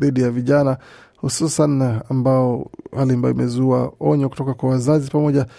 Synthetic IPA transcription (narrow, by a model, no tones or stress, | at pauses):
iɗijaviʄana | hususanambaɔhaliambajɔimɛzuaɔɲɔku̥tɔkakwawazazipamɔʄa